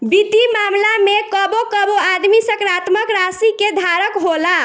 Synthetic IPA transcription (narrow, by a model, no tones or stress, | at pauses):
bit̪imamlamekəbokəboad̪misəkɾat̪məkɾasiked̪ʱaɾəkɦola